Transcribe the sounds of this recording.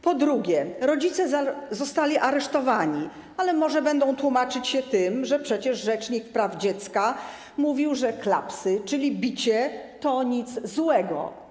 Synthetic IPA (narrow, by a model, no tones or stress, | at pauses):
pɔd̪ɾuɡʲjɛɾɔd͡ʑit̪sɛzɔst̪alʲiʔaɾɛʂt̪ɔvaɲi | alɛmɔʐɛbɛnd̪ɔ̃w̃t̪wumat͡ʂɘt͡ɕɕɛt̪ɘmʐɛpʂɛt͡ɕɛʐʐɛt͡ʂɲikpɾavd͡ʑɛt̪ska | muvʲiwʐɛkla̰psɘt͡ʂɘlʲibʲit͡ɕɛt̪ɔɲit̪zzwɛɡɔ̰